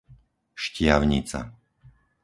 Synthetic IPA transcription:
ʃcɪaʊɲḭt͡sa̰

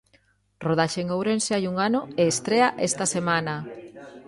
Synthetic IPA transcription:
roð̞aʃeŋowɾenseajuŋanoeːst̪ɾeaʔest̪ɐsemanɐ

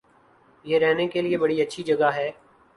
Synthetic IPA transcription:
jeːɾɛɦnekelɪeːbəɽiːətːʃʰid͡ʒəɡaːɦɛː

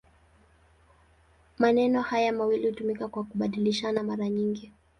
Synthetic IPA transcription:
manɛnɔhajamawilihutumikakwakuɓaɗiliʃanamaɾaɲiŋɡi

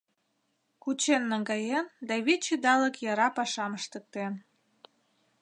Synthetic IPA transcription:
kut͡ɕenːəŋɡɑjend̪ɑβit͡ɕid̪ɑləkjɑɾɑpɑʃɑməʃt̪ə̆k̚t̪en

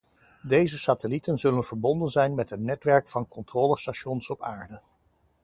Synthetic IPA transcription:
dejzəsaːtəlitənzɵlənv̥əɹbɔndənzɛjnmɛtɦətnɛtʋɛɹkfɑnkɔntrɔːləstaʃɔnsɔpʰaːɹdə

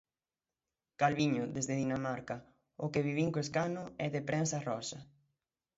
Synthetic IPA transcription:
kalβiɲʊðezðeðinamaɾka | ʊkeβiβ̞iŋkoeskanʊɛðepɾɛnsarɔsɐ

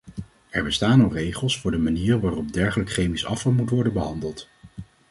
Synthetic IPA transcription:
ɛɹbəstaːnɔrejχəlˠsfʊːɹdəmaniːrəʋaːrɔb̚dɛɹχələkχejmisɑfɑlˠmutʋɔɹdəbəɦɑndəlˠt

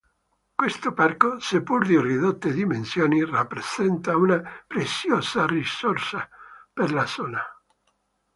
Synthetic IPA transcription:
kwest̪oparkosepːuɾd̪iriðot̪ːed̪imensjoːnirapːɾez̥ɛnt̪aunapɾet̪sːjoːsarisorsaperlasoːna

